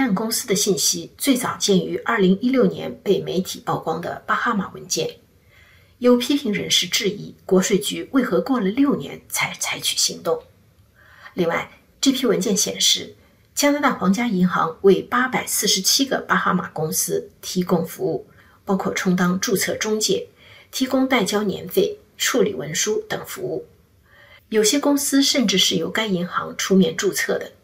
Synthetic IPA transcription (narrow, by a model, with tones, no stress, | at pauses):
a˥˩nkʊ˥ŋsɹ̩˥d̪ə˨ɕi˥˩nɕi˥t͡swe˥˩ɪt͡sɑ˨˩ʊt͡ɕjɛ˥˩ny˧˥ʔɐ˞˥˩li˧˥ŋi˥ljo˥˩ʊnjɛ̰˧˥npe˥˩ɪme˧˥ɪt̪ʰi˨˩pɑ˥˩ʊkwɑ˥ŋd̪ə̰˨pa˥xa˥ma̰˨˩wə̰˧˥nt͡ɕjɛ̰˥˩n | jo˧˥ʊpʰi˥pʰi˧˥ŋɻə˧˥nʂɻ̩˥˧ʈ͡ʂɻ̩˥˩i˧˥kwɔ˧˥ʂwe˥˩ɪt͡ɕy˧˥we˥˩ɪxɤ˧˥kwɔ˥˩lə˨ljo˥˩ʊnjɛ̰˧˥nt͡sʰa˧˥ɪt͡sʰa˧˥ɪt͡ɕʰy̥˨˩ɕi˧˥ŋt̪ʊ˥˩ŋ | li˥˧ŋwa˥˩ɪ | ʈ͡ʂɤ˥˩pʰi˥wə˧˥nt͡ɕjɛ˥˩nɕjɛ̰˨˩nʂɻ̩˥˩ | t͡ɕja˥na˧˥t̪a˥˩xwɑ˧˥ŋt͡ɕja˥i˧˥ŋxɑ˧˥ŋwe˥˩ɪpa˥pa˨˩ɪsɹ̩˥˩ʂɻ̩˧˥t͡ɕʰi˥ɡə̰˨pa˥xa˥ma̰˨˩kʊ˥ŋsɹ̩˥t̪ʰi˧˥kʊ˥ŋfu˧˥u˥˩ | pɑ˥ʊkʰwɔ˥˩ʈ͡ʂʰʊ˥ŋt̪ɑ˥ŋʈ͡ʂu˥˧t͡sʰɤ̰˥˩ʈ͡ʂʊ˥ŋt͡ɕjɛ̰˥˩ | t̪ʰi˧˥kʊ˥ŋt̪a˥˩ɪt͡ɕjɑ˥ʊnjɛ̰˧˥nfe˥˩ɪ | ʈ͡ʂʰu˥˩lḭ˨˩wə̰˧˥nʂu˥t̪ə˨˩ŋfṵ˧˥u˥˩ | jo˨˩ʊɕjɛ˥kʊ˥ŋsɹ̩˥ʂə˥˧nʈ͡ʂɻ̩˥˩ʂɻ̩˥˩jo˧˥ʊka˥ɪi˧˥ŋxɑ̰˧˥ŋʈ͡ʂʰu˥mjɛ˨˩nʈ͡ʂu˥˧t͡sʰɤ˥˩d̪ə˩